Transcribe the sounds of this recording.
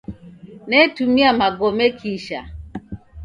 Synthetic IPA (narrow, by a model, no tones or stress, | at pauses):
netumiamaɡomekʰiʃa̰